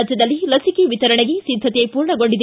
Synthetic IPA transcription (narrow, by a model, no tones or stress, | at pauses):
ɐd͡ʒjɐd̪ɐlːilɐsikeʋit̪ɐɾɐɳeɡesid̪ʱːɐt̪ijɐjpuːɾɳɐɡoɳɖid̪